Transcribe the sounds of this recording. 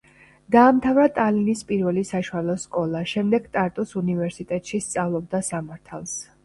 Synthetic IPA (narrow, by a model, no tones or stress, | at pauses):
d̪̥aːmt̪ʰavɾat̪ʼalinispʼiɾvɛlisaʃualˠɔskʼɔlˠaʃɛmd̪ɛɡt̪ʼaɾt̪ʼusunivɛɾsit̪ʼɛt̪ʼʃist̪sʼavlˠɔb̚d̪asamaɾt̪ʰalˠs